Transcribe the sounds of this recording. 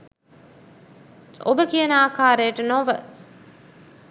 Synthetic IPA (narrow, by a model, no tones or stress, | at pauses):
ʔo̰bəkijənaːkaːɾejʈənoʋə